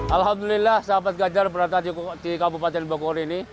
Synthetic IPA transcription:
ʔalɦamd̪ulilahsapat̪̚ɡad͡ʒarbəɾat̪at̪ikabupat̪ɛnbokoɾiːni

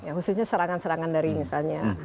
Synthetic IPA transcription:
jaɦususɲasəɾaŋansəɾaŋandaɾimisalɲa

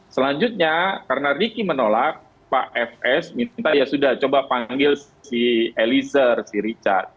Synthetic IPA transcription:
səlaɲd͡ʒut̪̚ɲakaɾənarikimənolak̚ | pa̰ʔɛfɛsmint̪ajasudaht͡ʃobapaŋɡɪls | sielisərsiɾit͡ʃa̰rt̪̚

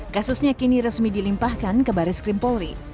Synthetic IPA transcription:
kasusɲakiniɾəsmidilimpahkankəbaɾɪskɾɪmpɔlɾi

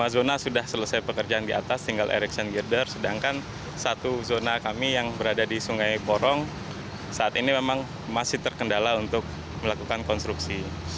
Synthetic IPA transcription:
mazonasudahsələsajpəkərd͡ʒaandia̰t̪ast̪iŋɡalʔḛɾɪk̚sɔnɡirdərsədaŋkan | sat̪uzonakamijaŋbəɾadadisuŋajpɔɾɔŋ | saat̪inimemaŋ | masɪht̪ərkəndalaunt̪ʊk̚ | məlakukankɔnst̪ɾuksi

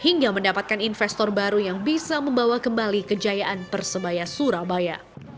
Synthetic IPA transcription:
hiŋɡaməndapat̪̚kaninfɛst̪ɔrbaɾujaŋbisaməmbawakəmbalikəd͡ʒajaʔanpərsəbajasuɾabaja

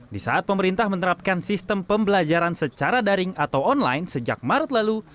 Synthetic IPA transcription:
disa̰at̪̚pəməɾint̪ahmənəɾap̚kansist̪əmpəmbəlad͡ʒaɾansət͡ʃaɾadaɾɪŋat̪awɔnla̰jnsəd͡ʒa̰k̚maɾət̪̚lalu

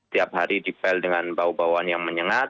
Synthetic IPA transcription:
t̪iap̚haɾidipɛldəŋanbaubawanjaŋməɲəŋat̪̚

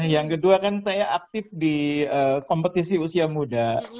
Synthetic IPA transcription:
jaŋkəduakansajaʔak̚t̪ɪfdiəːkompət̪isiusiamuda

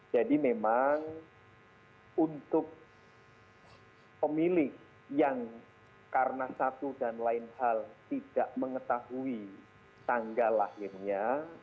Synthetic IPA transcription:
d͡ʒadimemaŋ | unt̪ʊk̚ | pəmilɪh | jaŋ | kaɾənasat̪udanlaɪnhalt̪id̥aʔməŋət̪aɦui | t̪aŋɡalahɪrɲa

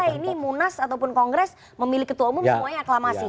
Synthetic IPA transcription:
ainimunasat̪awpʊnkɔŋɡɾɛs | məmilɪkːət̪uamʊmsəmuaaklamasi

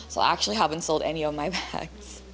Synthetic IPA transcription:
soʊa̰æk̚t͡ʃul̩ˠiɦævɨ̃n̩tsoʊlˠdɛ̰niʌvmaɪbæɡs

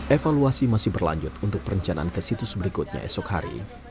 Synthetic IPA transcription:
efaluasimasɪhbərla̰ɲd͡ʒʊt̪unt̪ʊk̚pəɾəɲt͡ʃana̰ankəsit̪ʊsbəɾikʊt̪̚ɲa̰ɛ̰sɔkha̰ɾḭ

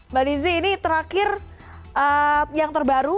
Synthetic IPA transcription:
baliziːnit̪əɾakɪr | ʔəjaŋt̪ərbaɾu

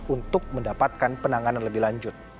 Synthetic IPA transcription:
unt̪ʊk̚məndapat̪̚kanpənaŋananləbɪhlaɲd͡ʒʊt̪̚

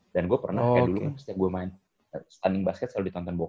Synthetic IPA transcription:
danɡuapərnadulkanast̪iaɡuamaɪn | sə̥t̪andɪŋbaskət̪saludit̪ɔnt̪ɔnbo

